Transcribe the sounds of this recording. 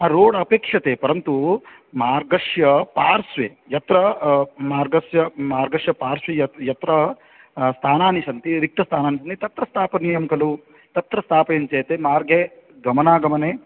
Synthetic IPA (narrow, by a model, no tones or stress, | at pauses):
aːɾoːɽɐpeːkʂɐt̪eːpɐɾɐnt̪u | maːɾɡɐʂjɐpaːɾsʋeː | jɐt̪ɾɐmaːɾɡɐsjɐmaːɾɡɐʂjɐpaːɾsʋejɐjɐt̪ɾɐ | st̪ʰaːnaːniʃɐnt̪iɾik̚t̪ɐst̪ʰaːnaːnis̬ɐnt̪it̪ɐt̪ɾɐst̪ʰaːpɐnijɐmkɐlu | t̪ɐt̪ɾɐst̪ʰaːpɐjɐnt͡ʃeːt̪eːmaːɾɡʱeɡɐmɐnaːɡɐmɐneː